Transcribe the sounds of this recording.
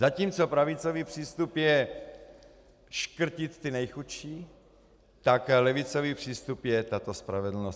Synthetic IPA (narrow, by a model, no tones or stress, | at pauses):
zaciːmt͡sopɾavɪt͡soviːpr̝̥iːst̪upjɛ | ʃkr̩cɪt̪t̪ɪnɛjxuʃiː | t̪aklɛvɪt͡soviːpr̥iːst̪upjɛt̪at̪ospɾavɛdl̩nos